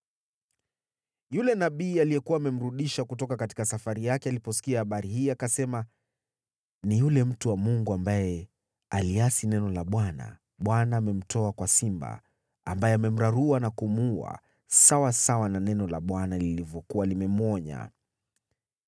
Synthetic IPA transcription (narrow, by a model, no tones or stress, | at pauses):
julɛnaɓiːalijɛkuwaːmɛm̩ɾuɗiʃakutɔkakati̥kasafaɾijakɛalipɔsi̥kiahaɓaɾihiːakasɛma | nijulɛm̩tuwamuŋɡuambajɛ | aliasinɛnɔlaɓwana̰ | ɓwanaːmɛm̩tʰɔakwasimba̰ | a̰mbajɛamɛm̩ɾaɾuanakumua̰ | sawasawananɛnɔlaɓwanalilivjɔkuwalimɛmɔɲa̰